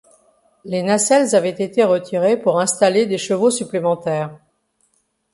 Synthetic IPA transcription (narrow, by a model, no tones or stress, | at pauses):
lenasɛlzavɛt̪et̪eʁət̪ʰiʁepuʁɛ̃st̪aled̪eʃəvosyplemɑ̃t̪ɛːʁ